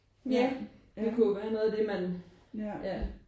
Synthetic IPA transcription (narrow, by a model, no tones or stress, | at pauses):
jæ̥ | ekʰujoʋæːɐnɔð̩ˠæde̝mæn | jæ